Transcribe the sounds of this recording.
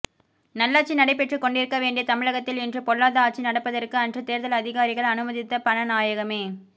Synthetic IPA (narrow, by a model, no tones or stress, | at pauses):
nɐlːaːʈ̚t͡ʃːinɐɽɐɪp̬ːɛʈrɯkɔɳɖɪɾɯkːɐʋeːɳɖɪjɐt̪ɐmɪɻɐɣɐt̪ːɪlɛndrɯpɔɭːaːðɐaːʈ̚t͡ʃːinɐɽɐpːɐðɐrkɯɐndrɯt̪eːɾðɐlɐðɪɣaːɾɪɣɐɭɐnɯmɐðɪt̪ːɐpɐnɐnaːjɐɣɐmeː